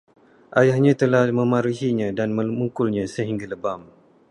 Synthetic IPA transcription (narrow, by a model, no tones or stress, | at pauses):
ʔajahɲãt̪əlahməmaɾiɦiɲãdanməmuŋkʊlɲãsəɦiŋɡaləbam